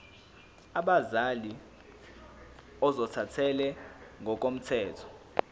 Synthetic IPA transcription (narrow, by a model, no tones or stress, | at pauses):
aɓazali | ɔzɔtʰatʰɛlɛŋɡʱɔk̬ʼom̩tʰɛːtʰɔ̥